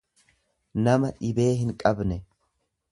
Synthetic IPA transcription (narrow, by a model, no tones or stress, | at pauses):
nɐmɐᶑɪbe̞ːɦɪŋkʼɐbnɛ